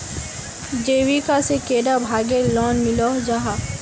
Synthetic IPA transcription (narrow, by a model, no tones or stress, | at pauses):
d͡ʒeːwikasekeːɖabʱaːɡelɔːnmɪlod͡ʒaɦaː